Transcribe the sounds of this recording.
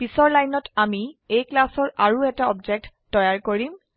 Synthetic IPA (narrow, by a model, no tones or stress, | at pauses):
b̥isɔɹlajnɔtamiejklasɔɹʔaɹuɛtaɔbd͡ʒɛk̚tːɔjaɹkoɹim